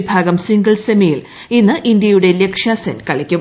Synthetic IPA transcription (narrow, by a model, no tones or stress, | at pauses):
bʱaːɡɐmsiŋɡɐɭsemijil | inːɨʔind̪jɐjuɽe̞lekʂjaːsɐnkɐɭɐkʲːu